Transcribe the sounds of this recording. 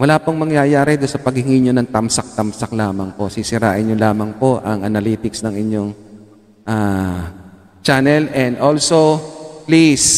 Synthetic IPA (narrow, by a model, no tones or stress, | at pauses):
wɐlaːpoŋmɐŋjajaːɾɛd̪ʊnsɐpɐɡ̚hɪŋiɲonɐŋt̪ɐmsɐk̚t̪ɐmsɐk̚laːmɐŋpo̞sisɪɾa̰ːʔɪɲɲolaːmɐŋpo̞ʔɐŋʔɐnɐliːt̪ɪksnɐŋɪɲːoŋ | ʔaː | t͡ʃanɛlɛnd̪ʔolsoplis